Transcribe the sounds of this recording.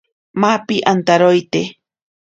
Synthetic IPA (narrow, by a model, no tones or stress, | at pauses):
mapiʔant̪aɾojt̪e